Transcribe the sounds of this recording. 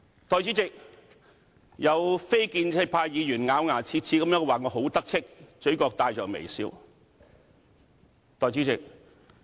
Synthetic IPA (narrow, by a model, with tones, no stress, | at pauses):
t̪ɔː˨˧jt͡siː˨˥t͡sɪ˨k̚ | jɐ˨˧wfe˥jkiː˧nt͡sʰe˥˧˥k̚pʰaː˧jjiː˨˧jyː˨˩nŋaː˨˧wŋaː˨˩t͡sʰiː˧t̚t͡sʰi˨˥kɐ˧mjœː˧˥ŋ˧waː˨ŋɔː˨˧ɦo˨˥wt̪ɐ˥k̚t͡sʰɪ˥k̚t͡ʃɵ˨˥kɔː˧k̚t̪aː˧jt͡ʃɔː˨k̚mḛ˨˩jsiː˨˧˥w | t̪ɔː˨˧jt͡si˨˥t͡sɪ˨k̚